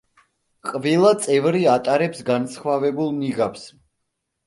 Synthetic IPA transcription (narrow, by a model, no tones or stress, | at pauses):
qʼvɛlˠat̪sʼɛvɾiat̪ʼaɾɛpsɡansχwavɛbulˠmniɡaps